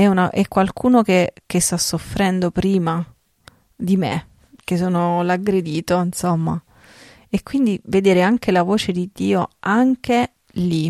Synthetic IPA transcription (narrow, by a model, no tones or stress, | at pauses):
ɛunaʔɛkːwalkʰuːnokek̟est̪asːofːɾɛnd̪opɾiːma | d̪imḛ | k̟es̬ːoːnolaɡːɾed̪iːt̪oinsomːa̰ | ekwind̪ived̪eːɾeaŋkelavoːt͡ʃed̪id̪ːiːoaŋk̟e | li